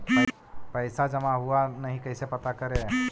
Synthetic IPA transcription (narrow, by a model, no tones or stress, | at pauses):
pəɪsad͡ʒəmaɦuanəɦĩkəɪsepət̪akəɾe